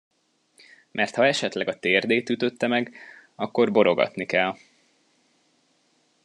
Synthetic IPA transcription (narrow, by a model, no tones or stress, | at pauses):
mʔɛrt̪hɒɛʃɛt̪lɛɡɒt̪eːrd̪eːt̪yt̪ø̞t̪ːɛmɛɡ | ɒkːo̞rbo̞ɾo̞ɡɒ̰t̪nikɛl